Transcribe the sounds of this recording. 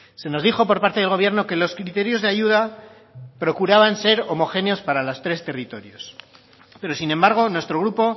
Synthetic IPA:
se̞no̞zðixo̞po̞ɾpaɾt̪e̞ð̞e̞lɣ̞o̞β̞je̞ɾno̞ke̞lo̞skɾit̪e̞ɾjo̞zðeaʝuð̞a | pɾo̞kuɾaβ̞anse̞ɾo̞mo̞xe̞neo̞spaɾalo̞st̪ɾe̞st̪e̞rit̪o̞ɾjo̞s | pe̞ɾo̞sinẽ̞mbaɾɣ̞o̞nwe̞st̪ɾo̞ɣɾupo̞

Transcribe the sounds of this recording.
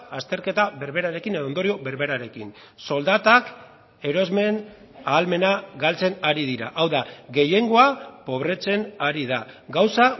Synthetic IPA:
ast̪e̞ɾke̞t̪aβe̞ɾβe̞ɾaɾe̞kine̞ðo̞nd̪o̞ɾio̞βe̞ɾβe̞ɾaɾe̞kin | so̞ld̪at̪ak | e̞ɾo̞zme̞n | aːlme̞naɡalt͡se̞naɾiðiɾa̰ʔawðaɣe̞je̞ŋɡo̞apo̞β̞ɾe̞t͡se̞naɾiðaɡawsa

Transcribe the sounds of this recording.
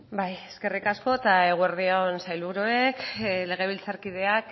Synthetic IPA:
bajeske̞rikasko̞t̪ae̞ɣ̞ueɾðionsajlβuɾue̞kle̞ɣ̞e̞β̞ilt͡saɾkið̞e̞ak

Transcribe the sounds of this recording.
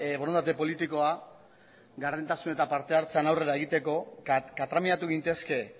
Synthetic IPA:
βo̞ɾont̪at̪̬e̞po̞lit̪iko̞a | ɡaɾðint̪asune̞t̪apaɾt̪e̞aɾt͡se̞anawre̞ɾae̞ɣ̞it̪e̞ko̞kat̪ɾamiat̪uɣint̪e̞ske̞

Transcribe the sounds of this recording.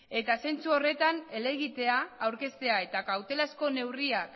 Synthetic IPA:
e̞t̪ase̞nt͡suo̞re̞t̪ane̞le̞ɣit̪e̞aːwɾke̞st̪e̞ae̞t̪akawt̪e̞lasko̞ne̞wriak

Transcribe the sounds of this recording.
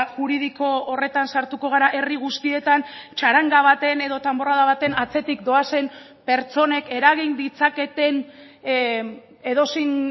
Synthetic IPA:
ʝuɾiðiko̞ːre̞t̪ansaɾt̪uko̞ɣ̞aɾaʔe̞riɣ̞ust̪ie̞t̪ant͡ʃaɾaŋɡaβ̞at̪e̞ne̞ðo̞t̪ambo̞raðaβat̪e̞nat͡se̞t̪ikd̪o̞ase̞m | pe̞ɾt͡so̞ne̞ke̞ɾaɣind̪it͡sake̞t̪e̞n | e̞ðo̞sin

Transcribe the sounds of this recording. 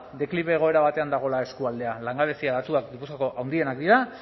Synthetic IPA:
d̪e̞kliβeːɣ̞o̞e̞ɾaβat̪e̞and̪aɣ̞o̞lae̞skuald̪e̞alaŋɡaβe̞siaðat̪uakd̪ipuskako̞ʔawnd̪ie̞nakd̪iɾa

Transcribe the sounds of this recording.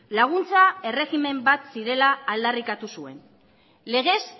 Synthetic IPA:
laɣ̞unt͡sae̞re̞ɣime̞mbat̪siɾe̞laːld̪arikat̪usue̞̰n | le̞ɣ̞e̞s

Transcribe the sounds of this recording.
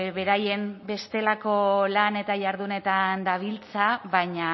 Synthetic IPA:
βe̞ɾaje̞mbe̞st̪e̞lako̞lane̞t̪aʝaɾðune̞t̪and̪aβilt͡saβaɲa

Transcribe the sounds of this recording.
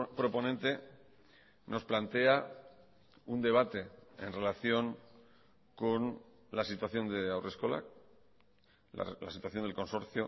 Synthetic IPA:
pɾo̞po̞nent̪e̞ | no̞splant̪e̞a | und̪e̞β̞at̪e̞ḛnre̞laθjo̞ŋ | ko̞n | lasit̪waθjo̞nd̪e̞awre̞sko̞la̰k | lasit̪waθjo̞nd̪elko̞nso̞ɾθjo

